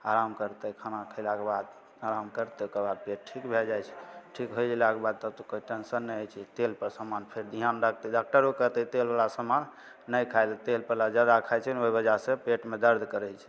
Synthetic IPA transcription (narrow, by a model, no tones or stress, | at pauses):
aɾamkəɾt̪əkʰanakʰəɪlakebad̪ | aɾamkəɾt̪eokebad̪̚peʈ̚ʈʰikbʱeld͡ʒajt͡ʃʰɛ̥ʈʰikɦojd͡ʒelakebad̪̚t̪əb̚t̪ɔkoiʈensənːəjəjt͡ʃʰɛt̪elpəɾsəmanpʰeɾd̪ʱiɦanɖak̚ʰt̪əɖak̚ʈəɾokəɾt̪ət̪elbalasəmanː | əjkʰajlt̪elpəɾlad͡ʒjad̪akʰajt͡ʃʰɛnoɦibəd͡ʒasepeʈmed̪əɾd̪ʱkəɾɛt͡ʃʰɛ̥